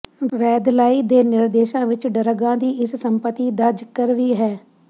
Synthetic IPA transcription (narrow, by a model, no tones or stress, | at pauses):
ʋɛːd̪laːiːd̪eːnɪɾd̪eːʃãːʋɪt͡ʃɖəɾəɡãːd̪iːʔɪssəmpət̪iːd̪əd͡ʒkəɾʋiːɦɛː